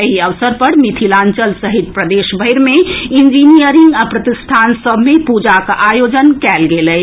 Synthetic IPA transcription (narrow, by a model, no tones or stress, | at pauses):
ɦiəʋsəɾpəɾmit̪ʰilãːnt͡ʃəlsəɦit̪̚pɾəd̪eːʃbʱəɪɾmeind͡ʒinijəɾiŋɡəpɾət̪ɪst̪ʰaːnsəbʱmepud͡ʒakaʔajod͡ʒənkɛːlɡelɛ